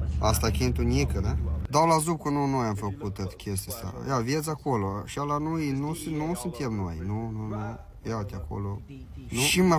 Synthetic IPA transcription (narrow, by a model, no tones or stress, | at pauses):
ast̪akʲint̪unʲikəned̪awlazub̚kənunojamfəkut̪ːət̪kʲʰes̬t̪isa̰javjet̪sakoloʃalanujnusnusunt̪emnojnununu | jat̪ʲako̰lo | nuʃima